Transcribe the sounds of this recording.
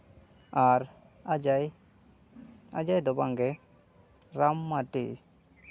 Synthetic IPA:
aɾ | j | a̰d͡ʒajd̪ɔbaŋɡɛ | ɾamːaʈḭ

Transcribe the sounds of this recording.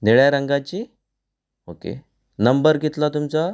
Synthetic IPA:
neɭjaɾəŋɡat͡ɕi | okḛ | nəmbəɾɡit̪lat̪umt͡sa

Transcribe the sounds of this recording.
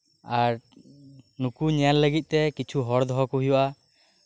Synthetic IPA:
aɾ | nukuɲɛjanləɡit̪̚ˀt̪ɛkit͡ʃʰuɦɔɾd̪ɔɦɔkuɦijɔʔa

